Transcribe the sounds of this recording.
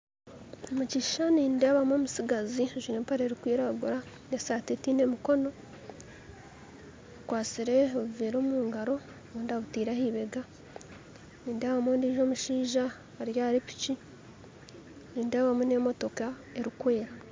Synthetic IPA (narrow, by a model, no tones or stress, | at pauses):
omuciːʃaniːndeːβamoːmusiɡaziʒinepaɾeɾikwiːɾaɡuɾa | nesaːtetine̞miko̞no̞ | kwaːt͡siɾe̞oβuveːɾoːmuːŋɡaɾo̞ | βoːndaβutiːɾahiβeɡa | niːndeːβamondiːʒo̞ːmuʃiːʒa | aɾjaːɾipi̥ci | niːndeːβamunemo̞to̞ka | e̞ɾikwe̞ːɾa